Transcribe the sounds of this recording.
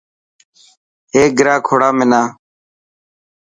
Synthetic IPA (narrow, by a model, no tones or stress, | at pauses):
ɦeːɡɪɾaːkʰoːɽaːmɪnaː